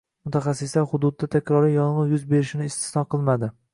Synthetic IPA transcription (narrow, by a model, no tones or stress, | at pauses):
mʊt̪ʰaχɑsːɪslaɾχʊd̪ʊd̪̚ːat̪ʰakʲɾɒɾɪjɒnʁɨjʊzbe̞ɾɪʃɪnɪːst̪ʰɪ̥snɒqʰɨlˠmad̪ɪ